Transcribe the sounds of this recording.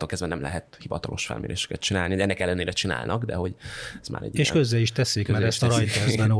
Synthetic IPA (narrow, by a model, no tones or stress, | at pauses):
oːlkɛzvɛnɛmlɛ̰ɦɛt̪hivɒt̪ɒlʔo̞ʃfɛ̰lmeːɾeːʃɛ̥kɛt̪̚t͡ʃinaːlnioɛnːɛkɛlːɛneːɾɛt͡ʃina̰ːlnʔɒɡd̪ɛɦo̞ɟɛzma̰ːɾɛ̰ɟːieːkøzːɛliʃt̪ɛsikmɛɾɾɛsʃt̪ɔɾɒjt̪ɛzbɛn